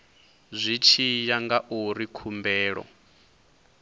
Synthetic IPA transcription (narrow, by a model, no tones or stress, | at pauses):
zʷit͡ʃʰijaŋɡaʔuɾikʰumbɛːɺɔ̰